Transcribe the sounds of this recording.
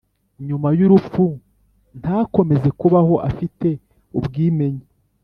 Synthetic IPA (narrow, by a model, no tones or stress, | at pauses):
ɲumajuɾufu | n̥hako̞me̞ze̞kuβaho̞ʔafite̞ | ubɡiːme̞ɲe